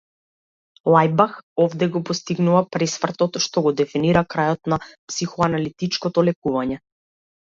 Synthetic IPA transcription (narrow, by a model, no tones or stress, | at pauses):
lˠajbaxɔvd̪ɛɡɔpɔst̪iɡnuvapɾɛsfr̩t̪ɔt̪ʃt̪ɔɡɔd̪ɛfiniɾakɾajɔt̪napsixɔanalit̪it͡ʃkɔt̪ɔlɛkuvaɲɛ